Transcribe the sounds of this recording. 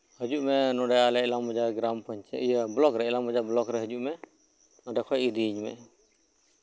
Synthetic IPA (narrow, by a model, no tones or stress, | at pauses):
həd͡ʒuʔmɛnɔɖɛalɛɛlamɔd͡ʒaɡɾampɔɲt͡ʃɛ̰ijablɔkɾɛɛlamɔd͡ʒablɔkɾɛɦəd͡ʒuʔmɛ | nɔɖɛkʰɔjiɾiɲmɛ̰